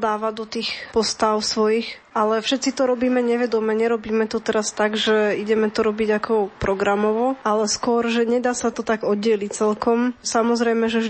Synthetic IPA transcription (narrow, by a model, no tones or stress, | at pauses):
d̪aːʋad̪ɔt̪iːxpɔst̪aʊsʋɔjix | alɛfʃɛt̪t͡sit̪ɔɾɔbiːmɛɲɛʋɛd̪ɔmɛɲɛɾɔbiːmɛt̪ɔt̪ɛɾast̪aɡʒɛiɟɛmɛt̪ɔɾɔbiɟakʰɔpɾɔɡɾamɔʋɔalɛskʊɔɾʒɛɲɛd̪aːsat̪ɔt̪aɡɔd̪ɛlict͡sɛlkɔmsamɔzɾɛjmɛʒɛʒ